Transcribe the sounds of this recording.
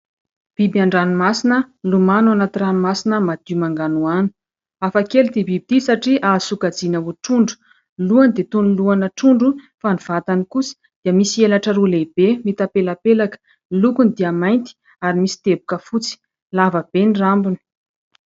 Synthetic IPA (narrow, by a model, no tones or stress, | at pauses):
b̥ibaɳɖ͡ʐanimasinəlumanuanat̪iranumasinəmad̪̥imaŋɡanuani̥ | afakelud̪ebibid̪̥isaʈ͡ʂiʔasukad͡zinauʈ͡ʂuɳɖ͡ʐu̥ | luand̪et̪unluanəʈ͡ʂuɳɖ͡ʐu | faniv̥at̪anikusi̥ | d̪̥iəmisielaʈ͡ʂəɾuleb̥emit̪apelapelakə̥ | lukunid̪iəmajnt̪i̥ | aɾimisi̥t̪ebukəfut͡si̥ | lavəb̥enrambuni̥